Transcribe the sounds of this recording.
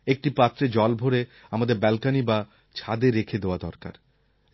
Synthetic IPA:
ek̚ʈipat̪ːɾed͡ʑɔlbʱoɾe | amad̪eɾbɛlkaniba | t͡ɕʰad̪eɾekʰed̪eoad̪ɔɾka̰ɾ

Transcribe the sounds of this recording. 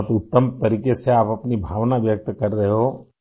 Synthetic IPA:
t̪ʊt̪ːəmt̪əɾiːkeseaːpɐpnibʱaːʋnaʋjək̚t̪kɐɾːɐɦeɦo

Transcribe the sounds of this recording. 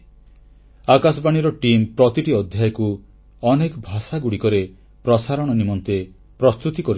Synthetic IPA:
akasɔbaɽ̃iɾɔʈimpɾɔt̪iʈiɔd̪ʱjajɔku | ɔnekɔbʱasaɡuɽikɔɾe | pɾɔsaɾɔɽ̃ɔnimɔnt̪e | pɾɔst̪ut̪ikɔɾi

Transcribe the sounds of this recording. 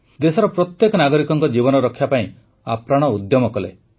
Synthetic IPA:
d̪esɔɾɔpɾɔt̪jekɔnaɡɔɾikɔŋkɔd͡ʒibɔnɔɾɔkʰːjapaĩ | apɾaɽ̃ɔud̪jɔmɔkɔlḛ

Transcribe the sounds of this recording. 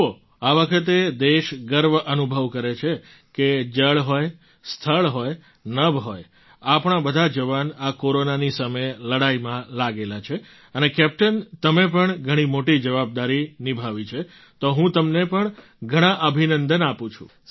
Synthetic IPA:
o | aʋəkʰət̪̬ed̪eʃɡəɾʋʔənubʱəʋkəɾet͡ʃʰe | ked͡ʒəɭɦoj | st̪ʰəɭɦoj | nəʋɦoj | apɳ̃abəd̪ʱad͡ʒəʋanakoɾonanisəmejləɽaimãlaɡelat͡ʃʰe | ənekɛp̚ʈənt̪əmep̬əɳɡʱəɽ̃imoʈid͡ʒəʋab̚d̪aɾinibʱaʋit͡ʃʰe | t̪oɦũt̪əmnepəɳ | ɡʱəɽ̃ãʔəbʱinənd̪ənapũt͡ʃʰṵ̃

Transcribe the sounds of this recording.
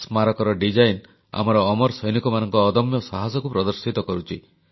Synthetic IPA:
smaɾɔkɔɾɔɖid͡ʒajn | a̰mɔɾɔːmɔɾsɔjnikɔmanɔŋkɔːd̪ɔmjɔsaɦasɔkupɾɔd̪ɔɾsit̪ɔkɔɾut͡ʃʰi

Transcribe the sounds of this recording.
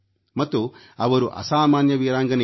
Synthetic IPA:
mɐt̪ːu | ɐʋɐɾuʔɐ̰saːmaːnjɐʋiːɾaːŋɡɐnɐ

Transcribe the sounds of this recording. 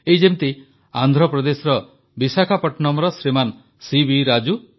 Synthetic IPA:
ejd͡ʒemt̪i | and̪ʱɾɔpɾɔd̪esɔɾɔ | bisakʰapɔʈnɔmɾɔsɾiman | sibiɾad͡ʒu

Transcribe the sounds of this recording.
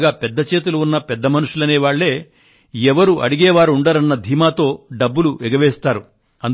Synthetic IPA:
ɡaːpɛd̪ːɐt͡ʃeːt̪̬ulɐunːɐpɛd̪ːɐmɐnuʂulɐneːʋaːɭːe̞ː | ɛʋɐɾuʔɐ̰ɽiɡɛːʋaːɾuɳɖaːɾɐnːɐd̪ʱiːmaːt̪o̞ːɖɐbːuluɛɡɐʋɛːst̪aːɾu | ɐn

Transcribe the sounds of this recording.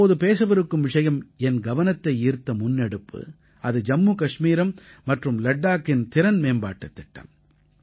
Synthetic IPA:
ɐoːðɯpeːs̬ɐʋɐɾɯkːɯmʋɪʂɐjɐmɛnɡɐʋɐnɐt̪ːɐɪiːɾt̪ːɐmʊnːɛɽɯpːɯ̰ | ɐðɯd͡ʒɐmːuːkɐʂmiːɾɐmːɐʈrɯmlɐɖːaːkːɪnt̪ɪɾɐnmeːmba̰ːʈːɐt̪ːɪʈːɐ̰m

